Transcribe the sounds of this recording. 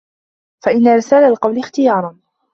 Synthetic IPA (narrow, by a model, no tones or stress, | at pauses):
faʔɪnːaɾɪsaːlalqɑwlɪxt̪ɪjɑːɾˤɑn